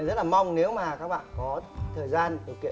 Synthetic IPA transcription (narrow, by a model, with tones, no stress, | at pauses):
zə˦˥t̚laː˨˩ma˧wŋ͡mne˨˦wmaː˨˩kaː˦˥k̚ɓa̰ː˧˨nkɔ˨˦t̪ʰəː˨˩jzaː˧nɗi˨˩əwkḭ˧˨